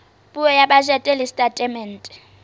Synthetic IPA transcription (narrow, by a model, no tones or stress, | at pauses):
bʼʊɛjaɓaʒɛtʼɛlɪstʼatʼɛmɛn̩tʼɛ̥